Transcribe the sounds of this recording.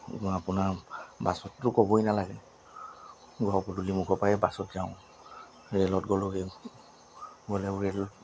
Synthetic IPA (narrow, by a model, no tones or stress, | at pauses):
apʊnabasɔtːʊkɔbɔjnalaɡɛ | ɡɔɔpɔdulimuɡɔpajɛbasɔtzaʊ̃ | ɹɛlɔtɡɔloɡɛ | ɡɔlɛuɹel